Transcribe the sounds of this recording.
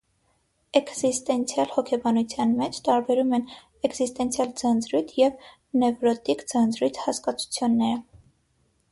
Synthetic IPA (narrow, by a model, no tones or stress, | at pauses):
ɛkzist̪ɛnt͡sʰjɑlhɔkʰɛbɑnut͡sʰjɑnmɛt͡ʃʰt̪ɑɾbɛɾumɛn | ɛɡzist̪ɛnt͡sʰjɑld͡zɑnd͡zɾujt̪ʰjɛv | nɛvɾɔt̪ikd͡zɑnd͡zɾujt͡s̪ʰhɑskɑt͡sʰu̥t͡sʰjunːɛɾə